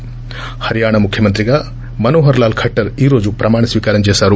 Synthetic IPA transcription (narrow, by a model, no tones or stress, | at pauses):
hɐɾijaːɳɐmukʰjɐmɐnt̪ɾiɡɐ | mɐnoːɦɐɾlaːlkʰɐʈːɐɾiːɾoːd͡ʒupɾɐmaːɳɐsʋiːkaːɾɐnd͡ʒeːsaːɾu